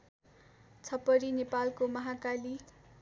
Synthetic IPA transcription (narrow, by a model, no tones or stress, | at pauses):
t͡sʰʌpʌɾinepalkomʌɦakali